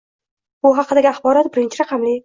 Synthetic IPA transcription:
b̥ʊɦɑqɨd̪aɡʲiaχbɒɾɒt̪̚bɪɾɪnt͡ʃʰɪɾɑqʰɑmlɪ

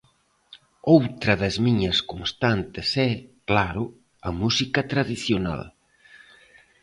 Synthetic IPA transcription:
owt̪ɾɐðɐzmiɲɐskonst̪ant̪ɪsɛklaɾʊ | ɐ̰musikɐt̪ɾaðiθjona̰l

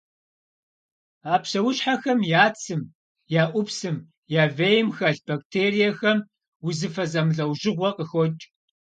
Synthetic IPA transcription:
aːpɕɐwʊɕħaxɐmjaːt͡sʰɨm | jaːʔʷʊpsɨm | jaːvejmxɐɬb̥ak̚tʰeːrijɐxɐm | wʊzɨfɐzɐmɨɮɐwʒɪʁʷɔqəxɔt͡ʃʼ

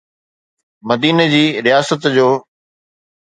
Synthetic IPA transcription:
mɐd̪iːnəd͡ʑiːɾɪjaːsət̪d͡ʑoː

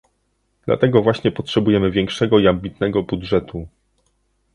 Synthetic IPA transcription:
d̪̥la̰t̪ɛɡɔvwaɕɲɛpɔtʂɛbujɛmɘvʲjɛŋkʂɛɡɔiambʲit̪nɛɡɔbudʐɛt̪u

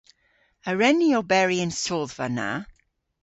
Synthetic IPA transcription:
əɹɛniɔlˠbɛɹiə̃nsoːðvəna̰

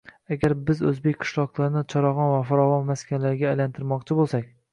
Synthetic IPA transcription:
aɡʲaɾbɪzɵzbekʲqʰɨ̥ʃlˠɒqlˠaɾɪnɪt͡ʃʰɒɾɑʁɒnvafaɾɒvɒnmaskʲʰanlaɾɪɡʲaːjlant̪ʰɪɾmɒqt͡ʃʰɪbolˠsakʲ

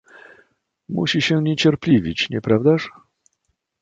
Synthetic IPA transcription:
mṵɕiɕɛɲɛt͡ɕɛɾplʲivʲit͡ɕɲɛpɾavd̪aʂ

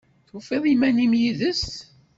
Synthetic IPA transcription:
θufeðˤimænimjiðəst̪

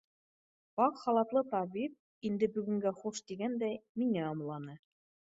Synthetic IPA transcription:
bɑqχɑlˠɑt̪lˠɤt̪ɑbip̚ | ind̪ɘbɵ̆ɡɵ̆ŋɡæχuʃt̪iɡænd̪æjmiŋæɑmlˠɑnɤ

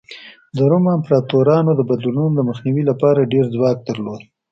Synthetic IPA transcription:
d̪əɾʊmampɾɑt̪oɾɑnod̪əbad̪lununod̪əməxniwilapɑɾaɖeɾzwɑk̚d̪əɾlod̪

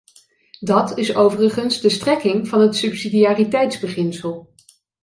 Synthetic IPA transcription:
dɑtɪsowvərəχənzdəstrɛkɪŋvɑnɦətsɵpsidijaːritɛjtzbəχɪnsəlˠ

